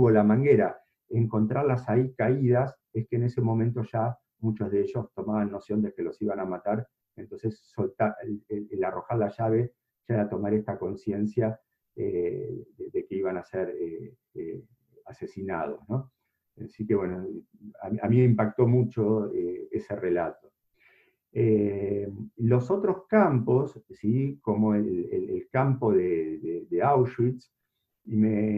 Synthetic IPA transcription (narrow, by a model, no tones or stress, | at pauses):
uβolamaŋɡeɾa | eŋko̞nt̪ɾaɾlasaikaiðas | ehkeːne̞se̞mõ̞mẽnt̪o̞ʒa | mut͡ʃozðeeʒo̞st̪o̞maβanːo̞sjo̞nd̪ekelo̞siβanamat̪aɾ | ent̪o̞nsesːo̞lt̪aeeelaro̞xaɾlaʒaβe̞ | ʒ̥aeɾat̪o̞maɾeht̪ako̞nsje̞nsja | ḛeðekeiβanaseɾe | asesina̰ð̞o̞̰zno̞ | sikeβwe̞no | a̰mamĩmeimpak̚t̪o̞mut͡ʃo̞eeserelat̪o̞̥ | e | lo̞so̞t̪ɾo̞skampo̞sːiko̞mo̞elelelkampo̞ðeðeðeawʃwits | ime